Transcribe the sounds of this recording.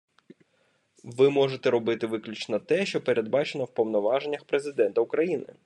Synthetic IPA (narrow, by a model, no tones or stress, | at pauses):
ʋɪmɔʐet̪ɛɾɔbɪt̪ɪʋɪklʲut͡ʃnɐt̪ɛʃt͡ʃɔpeɾʔe̞d̪̚bɑt͡ʃenɔwpɔwnɔʋɑʒe̞nʲːɐxpɾezɪd̪ɛnt̪ɐʊkɾɐjinɪ̰